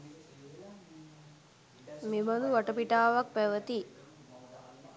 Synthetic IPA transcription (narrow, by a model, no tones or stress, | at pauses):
mimɐnd̪uʋɐʈəpiʈaːʋɐk̚pæʋət̪i